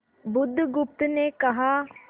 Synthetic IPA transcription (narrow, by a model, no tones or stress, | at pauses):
bʊd̪ʱːɡʊp̚t̪neːkɐɦaː